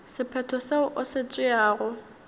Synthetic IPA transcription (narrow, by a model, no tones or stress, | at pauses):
sɪpʰɛtʰɔseʊʔʊsɪt͡sʼwɪaːɣʊ